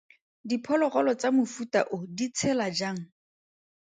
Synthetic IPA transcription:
dipʰɔlɔχɔlɔt͡samʊfuta̰ʔʊdit͡sʰɛlad͡ʒaːŋ̩

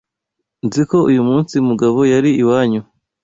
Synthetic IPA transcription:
nziko̞ʔujumuːnsimuɡaβo̞jaɾiiwaːɲu

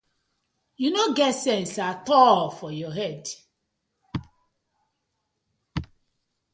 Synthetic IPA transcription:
junoɡɛtsɛ̃nsatɔlfɔjɔɦɛd

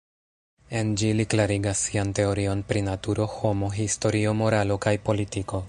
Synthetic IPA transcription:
e̞nd͡ʒiliklaɾiɡasːiante̞o̞ɾio̞npɾinatuɾo̞ho̞mo̞ɦisto̞ɾio̞mo̞ɾalo̞kajpo̞litiko̞

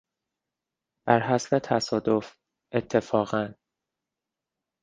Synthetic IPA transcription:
b̥æɾɦæslet̪ʰæsɒːd̪of | ʔet̪ʰːe̞fɒːɣæn

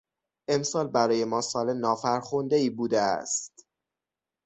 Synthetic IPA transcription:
ʔe̞msɒːlbæɾɒːje̞mɒːsɒːlenɒːfæɾxond̪eiːbuːd̪eæ̰st̪

